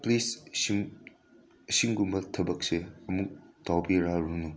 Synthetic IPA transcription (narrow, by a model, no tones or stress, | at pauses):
plis | siŋɡumbɐtʰɐbɐk̚seɐmuk̚tawbiɾaɾunu